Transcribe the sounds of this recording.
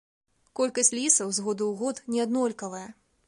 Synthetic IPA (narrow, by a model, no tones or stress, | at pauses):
kɔlʲkɐsʲlʲisɐwzɣɔd̪uwɣɔt̪nʲɛad̪nɔlʲkɐvɐjɐ